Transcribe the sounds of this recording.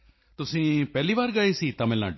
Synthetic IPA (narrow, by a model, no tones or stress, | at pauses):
t̪ʊsĩːpɛːliːβaːɾɡaːesiːt̪ãːmɪlnã̰ːɖ